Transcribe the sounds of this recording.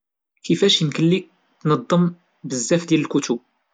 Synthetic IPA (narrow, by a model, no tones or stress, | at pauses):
kəfæʃjənkəlːik̚ | nɑd̪ˤːəm | bəzːæfd̪jæləlkut̪u